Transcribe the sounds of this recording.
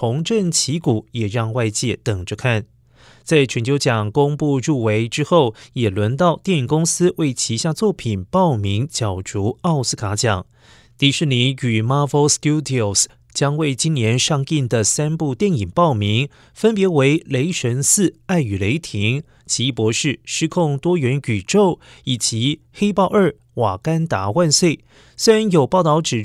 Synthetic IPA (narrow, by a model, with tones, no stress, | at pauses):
tʰʊ˧˥ŋʈ͡ʂə˥˩ŋt͡ɕʰi˧˥ku˨˩jɛ˨˩ɻɑ˥˧ŋwa˥˧ɪt͡ɕjɛ˥˩t̪ə˨˩ŋʈ͡ʂə˥˧kʰa˥˩n | t͡sa˥˩ɪt͡ɕʰɥɛ˧˥nt͡ɕʰo˧˥t͡ɕjɑ˨˩ŋkʊ˥ŋpu˥˧ɻu˥˩we˧˥ɪʈ͡ʂɻ̩˥xo˥˩ʊjɛ˨˩lwə˧˥nt̪ɑ˥˧ʊt̪jɛ˥˩ni˨˩ŋkʊ˥ŋsɹ̩˥we˥˩ɪt͡ɕʰi˧˥ɕja˥˧t͡swɔ˥˩pʰi˨˩npɑ˥˩ʊmi˧˥ŋt͡ɕjɑ˨˩ʊʈ͡ʂu˧˥ɑ˥˧ʊsɹ̩˥kʰa˧˥t͡ɕjɑ˨˩˦ŋ | t̪i˧˥ʂɻ̩˥˩ni˧˥ny˨˩ma˥və˧˥ʊst̪ju˥d̪i˧˩o˨˩s | t͡ɕjɑ˥ŋwe˥˩ɪt͡ɕi˥nnjɛ˧˥nʂɑ˥˧ŋi˥˩nd̪ə˩sa˥npu˥˧t̪jɛ˥˩ni˨˩ŋpɑ˥˩ʊmi˧˥ŋ | fə˥npjɛ˧˥we˧˥ɪle˧˥ɪʂə˧˥nsɹ̩˥˩a˥˩ɪy˨˩le˧˥ɪt̪ʰi˧˥ŋ | t͡ɕʰi˧˥i˥˩pwɔ˧˥ʂɻ̩˥˩ʂɻ̩˥kʰʊ˥˧ŋt̪wɔ˥ɥɛ˧˥ny˨˩ʈ͡ʂo˥˩ʊ | i˨˩t͡ɕi˧˥ | xe˥ɪpɑ˥˧ʊə˞˥˩ | wa˨˩ka˥nt̪a˧˥wa˥˧nswe˥˩ɪ | swe˥ɻa˧˥njo˨˩ʊpɑ˥˧ʊt̪ɑ˥˩ʊʈ͡ʂɻ̩˨˩